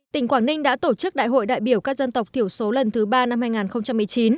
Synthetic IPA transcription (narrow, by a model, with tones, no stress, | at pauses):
t̪ï˧˩ŋ̟kwaː˧˩nï˧ŋ̟ɗa̰ː˧˥t̪o˧˩t͡ɕɨ˦˥k̚ɗa̰ː˧˨jɦo̰˧˨jɗa̰ː˧˨jɓi˧˩əwkaː˦˥k̚zə˧nt̪ə˨˩wk͡p̚t̪ʰi˧˩əwso˨˦lə˨˩nt̪ʰɨ˨˦ɓaː˧na˧mhaː˧jŋaː˨˩nxə˧wŋ͡mt͡ɕa˧mːɨ˨˩əjt͡ɕi˨˦n